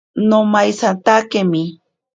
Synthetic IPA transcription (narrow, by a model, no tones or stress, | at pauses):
nomajsant̪akemi